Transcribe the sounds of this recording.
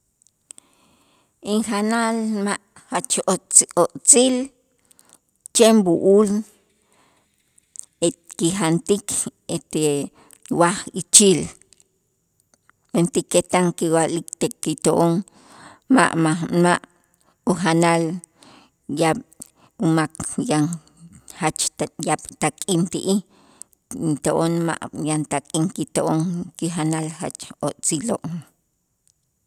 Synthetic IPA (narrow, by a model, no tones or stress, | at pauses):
iŋxanalmaʔ | hat͡ʃot͡soʔt͡sil | t͡ʃembuʔul | ekixant̪ikʰet̪e | waxit͡ʃil | ent̪ikːet̪aŋkiwalikt̪ekːit̪oʔoŋ | ma̰ʔmamaʔ | uxanal | jaɓ | umakjan | hat͡ʃjaɓ̥t̪akʼint̪iʔi | nt̪oʔonma̰ʔjant̪akʼiŋkit̪oʔoŋkixanalxa̰t͡ʃoʔt͡siloʔ